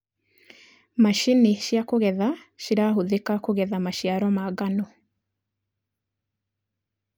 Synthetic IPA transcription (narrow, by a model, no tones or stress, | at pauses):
maʃineʃjakoɣɛðaʃiɾaɦoðekakoɣɛðamaʃjaɾɔmaɣanɔ